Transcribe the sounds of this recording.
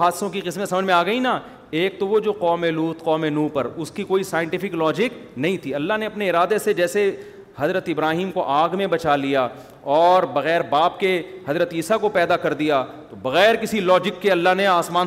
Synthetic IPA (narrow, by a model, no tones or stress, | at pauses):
aːd̪sõkiqɪsmesɐməd͡ʒmẽaːɡɐina | eːk̚t̪oʋod͡ʒoːqɔːmeluːt̪qɔːmenũːpɐɾʊskikoːisaːjɪ̃ɳʈɪfɪklɔːd͡ʒɪknɐɦĩt̪ʰiɐlːaɦneɐpneɪɾaːd̪esed͡ʒɛːse | hɐzɾət̪ɪbɾaːɦiːmkoʔaːɡmẽbɐt͡ʃalija | ɔːɾbɐɣɛːɾbaːpkehɐzɾət̪iːsakopɛːd̪akɐɾd̪ijat̪obɐɣɛːɾkɪsilɔːd͡ʒɪkːeɐlːaɦneaːsmaːn